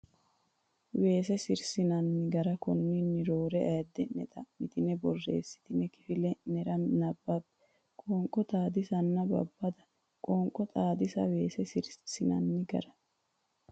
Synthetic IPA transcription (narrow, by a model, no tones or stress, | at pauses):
we̞ːsɛsɪɾsɪnɐnːɪɡɐɾɐkɔnːinːɪɾoːɾɛɐjd̪ːɛnːɛt̪ʼɐmɪt̪ɪnɛbɔrːe̞̰ːsːɪ̥t̪ɪnɛkɪ̥fɪlɛnɛɾɐnɐbːabːɛ̥ | kʼoːŋkʼːɔt̪ʼaːd̪ɪsɐnːɐbɐ̰bːɐd̪ɐ | kʼoːŋkʼːɔt̪ʼaːd̪ɪsɐ̰we̞ːsɛsɪɾsɪnɐ̰nːɪɡɐ̰ɾɐ̥